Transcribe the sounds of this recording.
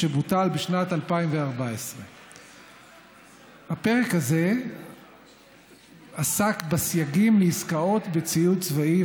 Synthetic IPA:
ebutalbeʃnatalpaimveaʁbaesʁe̞ | hape̞ʁekhaze̞ | asakbasjaɡimleiskao̞t̪bet͡sijutt͡svai

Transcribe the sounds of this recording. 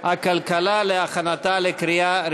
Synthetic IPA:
akalkalaleaxanat̪alekɾɪjaɾ

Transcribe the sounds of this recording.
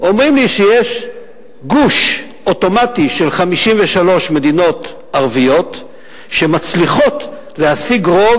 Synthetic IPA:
ʔo̞mʁimliʃejeʃ | ɡuʃ | ʔo̞to̞matiʃe̞lχamiʃimveʃalo̞ʃme̞d̪ino̞t | aʁvijo̞t | ʃe̞mat͡sliχo̞t | lehasiɡʁo̞v

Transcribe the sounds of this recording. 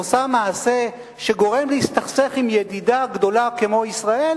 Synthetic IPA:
osamaːse̞ | ʃe̞ɡo̞ʁe̞mleist̪aχseχimjedidaɡdo̞lakemo̞isʁae̞l

